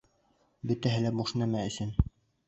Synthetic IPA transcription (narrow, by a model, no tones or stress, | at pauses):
bɵ̆t̪æɦɘ̆læbuʃnæmæɵ̆sɘn